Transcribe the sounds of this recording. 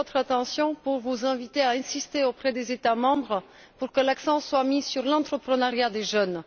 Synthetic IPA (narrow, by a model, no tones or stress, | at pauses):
ɔt̪χat̪ɑ̃sjɔ̃puʁvuzɛ̃vit̪eaɛ̃sist̪eopχɛd̪ezet̪amɑ̃bʁə | puʁkəlaksɑ̃swamisyʁlɑ̃t̪χəpχənaʁjad̪eʒœn